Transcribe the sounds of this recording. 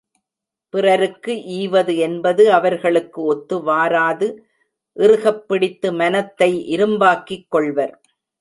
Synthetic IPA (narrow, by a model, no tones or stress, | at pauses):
pɪrɐɾɯkːɯʔiːʋɐðɯɛnbɐðɯɐʋɐɾɣɐɭɯkːɯɔt̪ːɯʋaːɾaːðɯ | ʔɪrɯɣɐpːɪɽɪt̪ːɯmɐnɐt̪ːɐɪʔɪɾɯmbaːkːɪkːɔɭʋɐɾ